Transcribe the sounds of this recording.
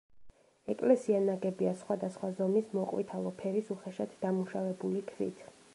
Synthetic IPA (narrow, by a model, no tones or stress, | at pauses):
ɛkʼlɛsianaɡɛbiasχwad̪asχwazɔmismɔqʼwḭt̪ʰalˠɔpʰɛɾisuχɛʃat̪ʰd̥̪amuʃavɛbulikʰɾḭt̪ʰ